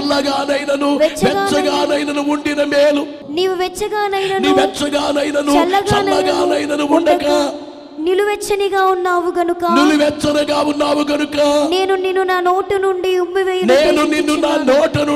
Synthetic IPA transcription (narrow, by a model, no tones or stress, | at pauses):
lːɐɡaːnɐjnɐnuʋɛt͡ʃːɐʋɛːt͡ʃːɐɡaːnɐjnɐnuuɳɖinɐmeːlu | niːʋuʋɛt͡ʃːɐɡaːnɐjjnɐnuʋɛt͡ʃːɐɡaːnɐjnɐnuɐlːɐɡɐːlɐːɐɡaːnɐjnɐnuuɳɖɐkɐ | niluʋɛt͡ʃːɐniɡaːunːaːʋuɡɐnukɐniluʋɛt͡ʃːɐnɐɡaːwunːaːmuɡɐnukɐne̞ːnuninːunaːno̞ːʈɐnuɳɖiumːiʋejɐneːnuninːunaːnoːʈɐnu